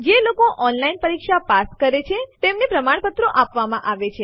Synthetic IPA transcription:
d͡ʒelokoʔɔnlainpəɾikʃapaskəɾet͡ʃʰet̪emnepɾəmaɳpət̪ɾoʔapʋamãʔaʋet͡ʃʰe

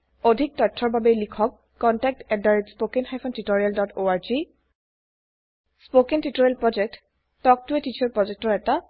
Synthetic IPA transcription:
odʱik̚tɔtʰːɔɹbabelikʰɔkːɔntɛk̚tɛdaɹetspokenxajpʰɔntitoɹijaldɔtʰoaɹzi | spokentitoɹialpɹɔd͡ʒɛk̚t | tɔk̚tuɛtit͡ʃʰɔɹpɹɔd͡ʒɛk̚tɔɹɛta

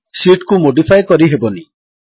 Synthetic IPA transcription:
siʈkumoɖipʰajkɔɾiɦebɔni

